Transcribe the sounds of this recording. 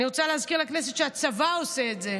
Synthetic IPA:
iʁo̞t͡saleɦazkiʁlakneset̪ʃeat͡savao̞seːtze

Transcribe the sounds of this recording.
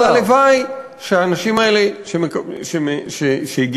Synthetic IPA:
alevaj | ʃeaːnaʃimaeleʃemekʃemeʃeʃeiɡ

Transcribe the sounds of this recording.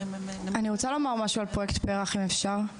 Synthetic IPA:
aniʁot͡salomaʁmaʃualpʁoektpeʁaχimefʃaʁ

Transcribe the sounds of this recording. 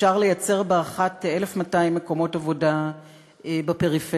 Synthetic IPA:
aʁle̞jat͡se̞ʁbeaχatelefmataimːeko̞mo̞tavo̞da | ebape̞ʁife

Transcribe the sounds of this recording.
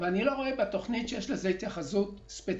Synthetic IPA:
veanilo̞ʁo̞ebat̪o̞χnit̪ʃejeʃlezehit̪jaχazut̪spe

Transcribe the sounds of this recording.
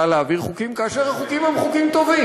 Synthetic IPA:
aleaviʁχukimkaaʃeʁhaχukimhemχukimt̪o̞vi

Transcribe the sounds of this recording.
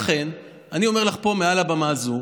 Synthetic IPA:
χe̞n | anio̞me̞ʁlaχpo̞mealabamazu

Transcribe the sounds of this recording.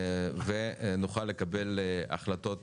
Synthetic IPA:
venuχalːe̞kabe̞la̰χlat̪o̞t

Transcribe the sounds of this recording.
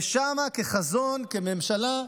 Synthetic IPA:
ʃamakeχazonkememʃala

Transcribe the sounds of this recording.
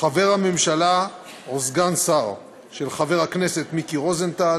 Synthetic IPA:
χave̞ʁhame̞mʃala | ozɡansaʁ | ʃelχave̞ʁhakne̞se̞t̪mikiʁo̞zent̪a

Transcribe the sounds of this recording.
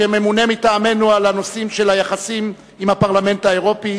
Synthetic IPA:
eme̞munemitaːme̞nualano̞simʃe̞lajaχasim | imhapaʁlame̞nt̪aeʁo̞pi

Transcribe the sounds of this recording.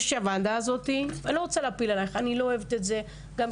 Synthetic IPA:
ʃeavand̪aːzo̞t̪iveloʁot͡seleapilalajeχanilooevet̪etze | ɡam

